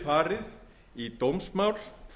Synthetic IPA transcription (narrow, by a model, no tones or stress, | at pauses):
faːɾɪð | it̪owmsmawl